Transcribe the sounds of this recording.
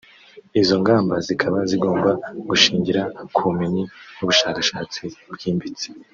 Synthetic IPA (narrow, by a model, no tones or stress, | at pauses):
izo̞ŋɡaːmbazikʰaβaziɡo̞ːmbaɡuʃiːɲɟiɾakʰuumeɲinuβuʃaːkḁʃaːt͡sibɡiːmbit͡si̥